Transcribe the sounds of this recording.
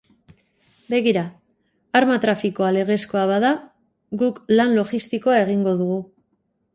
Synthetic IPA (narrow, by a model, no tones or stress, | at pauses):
be̞ɣiɾa | aɾmat̪ɾafiko̞ale̞ɣ̞e̞sko̞aβaða | ɡuklanlo̞ʝist̪iko̞ae̞ɣ̞iŋɡo̞ðuɣ̞u